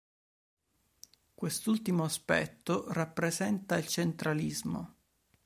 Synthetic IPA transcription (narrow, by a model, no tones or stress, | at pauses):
kwest̪ult̪imoaspɛ̰t̪ːorapːɾezɛnt̪ailt͡ʃent̪ɾalizmo̰